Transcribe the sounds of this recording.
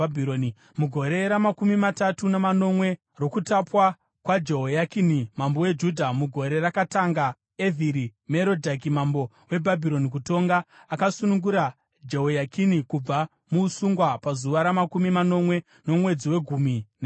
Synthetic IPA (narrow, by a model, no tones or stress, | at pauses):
bʱioni | muɡʱo̞ɾe̞ɾamakumimatatunamano̞mwe̞ | ro̞kutapwa | kwad͡ʒeɦojakinimambowe̞d͡ʒudʱamuɡʱo̞ɾe̞rakataŋɡa | evʱiɾimeɾo̞dʱakimambo̞ | we̞bʱabʱiɾo̞nik̬uto̞ŋɡaːkasunuŋɡuɾa | d͡ʒeɦojakʰinikub͡va | musuŋɡwapazuʋaɾamakumimano̞mwe̞ | no̞mwe̞d͡ziwe̞ɡʱumine